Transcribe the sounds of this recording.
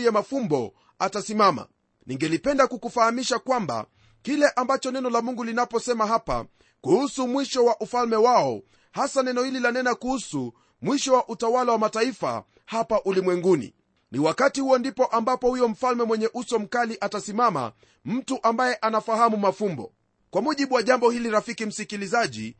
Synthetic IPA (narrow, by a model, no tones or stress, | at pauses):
jɛmafumbɔ | atasimama̰ | niŋɡɛlipɛndakukufahamiʃakwamba̰ | kilɛʔambat͡ʃɔnɛnɔlamuŋɡulinapɔsɛmaɦapa̰ | kuhusumwiʃɔwaʔufalmɛwaɔ | hasanɛnɔhililanɛnakuhusu | mwiʃɔwaʔutawalawamataifa̰ | hapaʔulimwɛŋɡunḭ | niwakatihuɔndipɔʔambapɔhujɔm̩falmɛmwɛɲɛʔusɔm̩kaliʔatasimama̰ | m̩tuʔambajɛʔanafahamumafumbɔ̰ | kwamuʄiɓuwaʄambɔhiliɾafikim̩sikilizaʄḭ